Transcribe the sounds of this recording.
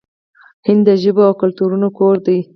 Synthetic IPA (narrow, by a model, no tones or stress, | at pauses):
hɪnd̪ːəʒəboawkʊlt̪uɾunokoɾd̪aj